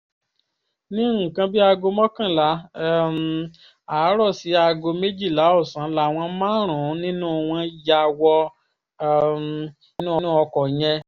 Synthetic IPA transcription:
nĩ˦˨kã˧bi˦a˧ɡo˧mɔ̃˦kã˦˨la˨˦˨m˨ | aː˨˦ɾɔ˦˨si˨˦a˧ɡo˧me˦d͡ʒi˦˨la˨˦o˦˨sã˨˦la˨˦˨w̃ɔ̃˧˦mãː˦ɾ̃ũ˨˦nĩ˦nũ˦˧w̃ɔ̃˧ja˧wɔ˧˨˦ | nũ˦ɔ˧˦nũ˦ɔ˧kɔ˨j̃ɛ̃˧

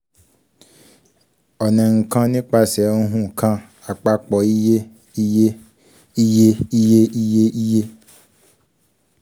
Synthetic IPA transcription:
ɔ˨nɛ̃˨ŋ̩˨kã˦nĩ˦k͡pa˧sɛ˨˦ũ˦ɦũ˦˨kʰã˦ | a˨k͡pa˧k͡pɔ˨i˦je˦ | i˦je˦ | i˦je˦i˦je˦i˦je˦ʔi˦je˦

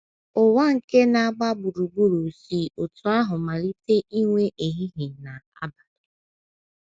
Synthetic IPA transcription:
ʊ˨wa˦ŋ̩˨ke˦na˨a˦˨ɡ͡ba˦bu˨ɾu˨ɡ͡bu˦ɾo˨si˦ʊ˨tʊ˨a˦ɦʊ˨ma˨ɾi˦te˦ʔi˦ŋʷe˦ʔe˨ɦi˦ɦi˨na˨a˦ba˨dʊ

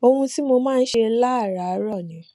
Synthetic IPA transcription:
o˧hũ˧ti˦mo˧mãː˦˧n̩˦ʃe˧˦la˦a˦˨ɾa˨˦ɾɔ˦˨nĩ˨˦

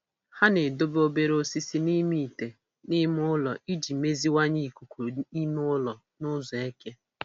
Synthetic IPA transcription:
ha˦ne˨do˦bo˦be˦ɾo˦si˦si˦ni˦mi˦˨i˨te˨ | ni˦m˦ʊ˦lɔ˨i˦d͡ʒi˨me˦zi˦wa˦ɲi˦i˨ku˨kʷu˨i˦m˦lɔ˨ | nʊ˦zɔ˨e˦ke˦

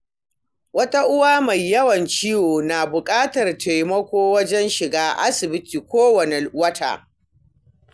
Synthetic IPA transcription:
wɐ˦ta˦ʔʊ˦waː˦ma˨jːɐ˦wɐ˨nt͡ʃiː˦woː˨naː˨bʊ˨kʼaː˦tɐ˨rtʰa˨jmɐ˦kʷoː˦wɐ˦d͡ʒɛ˦nʃɪ˨ɡaː˦ʔa̰˦sɪ˨bɪ˦tiː˨kʷoː˦wɐ˨ne˨wɐ˦tʰa̰ː˨

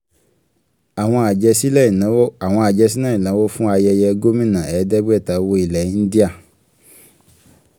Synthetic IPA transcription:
a˨w̃ɔ̃˧a˨d͡ʒɛ˧si˦lɛ̃˦˨˦a˨w̃ɔ̃˧a˨d͡ʒɛ˧si˦nãː˦ĩ˨lã˨˦wo˦fũ˦a˧jɛ˧jɛ˧ɡo˦mĩ˦˨nã˨ɛ˨˦dɛ˦bɛ˦˨ta˨˦wo˧˦i˨lɛ˨ĩ˦n̩˦di˦a˦˨

